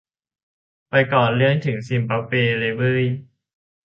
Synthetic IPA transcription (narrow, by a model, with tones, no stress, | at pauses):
pa˧jkɔː˨˩nlɯ˥˩əŋt̪ʰɯ˩˦ŋsi˧mpa˦˥peː˧le˧bɯː˥˩j